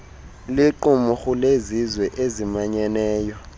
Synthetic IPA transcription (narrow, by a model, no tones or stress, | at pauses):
liǃumɔxulezizwɛʔezimaɲɛnɛːjɔ